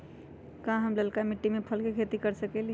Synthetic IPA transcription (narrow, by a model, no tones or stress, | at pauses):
kãɦəmləlkamiʈːimepʰəlkekʰet̪ikəɾsəkɛl